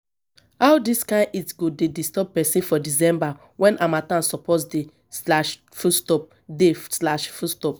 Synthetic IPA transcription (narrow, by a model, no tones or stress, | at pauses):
hawdiskãitɡodedistɔb̚pɛsĩfɔdis̬ɛ̃mba | wɛ̃nʔamatãnsɔpɔtsde | slaʃ | fustɔp̚ | deslaʃfustɔp̚